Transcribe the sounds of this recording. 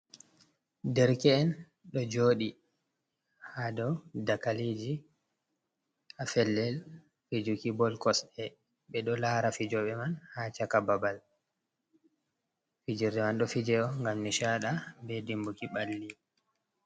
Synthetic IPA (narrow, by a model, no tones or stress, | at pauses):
dɛɾkɛːn | ɗɔd͡ʒoːɗi | hadɔwdakalid͡ʒi | afɛlːɛl | fid͡ʒukibɔlkɔsɛ | ɓɛɗɔlahɾafid͡ʒɔɓɛmanhat͡ʃakababal | fid͡ʒiɾɗɛmanɗɔfid͡ʒɛɔŋɡamniʃaɗabɛdimbukiɓalːi